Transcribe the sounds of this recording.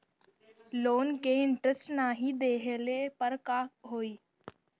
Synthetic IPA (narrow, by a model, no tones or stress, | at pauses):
loːnkeːɪɳʈɾəsʈnaːɦid̪eːɦəleːpəɾkaːɦoːiː